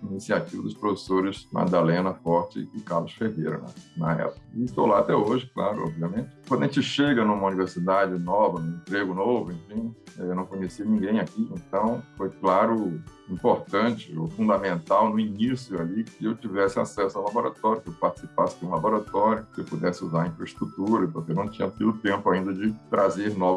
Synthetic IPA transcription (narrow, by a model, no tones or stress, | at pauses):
inisiat͡ʃivɐd̪ʊspɾofe̥soɾɪsma̰d̪alẽnɐfɔɾt͡ʃɪ̰ɪkaɾlʊsfeɦejɾɐ̰nɐ̰nɐɛ̰pʊkɐɪɪst̪owlaat̪ɛ̰oʒɪkla̰ɾʊ̰ɔ̰bviɐmẽnt͡ʃɪ̥kwɐ̃d̪ɐʒẽt͡ʃɪʃeɡɐnũmɐuniveɾsid̪ad͡ʒɪnɔvɐnʊ̃ĩp̪ɾeɡʊnovʊẽfĩɛewnɐ̃w̃kõɲesinĩɡẽj̃akiẽnt̪ɐ̃w̃fojklaɾʊĩmpoɾt̪ɐ̃t͡ʃɪo̰fũnd̪amẽnt̪awnʊinisjʊalikɪewt͡ʃivɛsɪa̰sɛsʊawlaboɾa̰t̪ɔɾjʊkewpaɾt͡ʃɪ̥sipasɪd͡ʒɪũlaboɾat̪ɔɾjʊkewpud̪ɛsɪuzaɾĩfɾɐist̪ɾut̪uɾɐpʊhkewnɐ̃w̃t͡ʃĩɲɐt̪id̪ʊt̪ẽmpʊaĩnd̪ɐd͡ʒɪt̪ɾazeɾnɔv